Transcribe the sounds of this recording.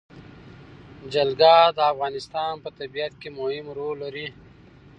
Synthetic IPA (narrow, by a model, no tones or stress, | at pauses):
d͡ʒalɡad̪əafɣɑːnɪst̪ɑnpət̪abijat̪̚kemʊhɪmɾolːaɾi